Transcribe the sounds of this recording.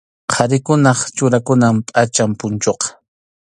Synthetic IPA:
qʰɑɾɪkʊnɑχt͡ʃʊɾakʊnampʼat͡ʃampʊnt͡ʃoqɑ̥

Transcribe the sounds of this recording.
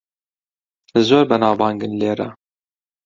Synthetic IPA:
ɨzoːɾbənɑːvɑːŋɡɨnleːɾɑ

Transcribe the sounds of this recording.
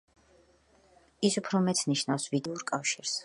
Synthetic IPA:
isupʰɾɔmɛt̪sʰniʃnafsvid̪ɛuɾkʼafʃiɾs

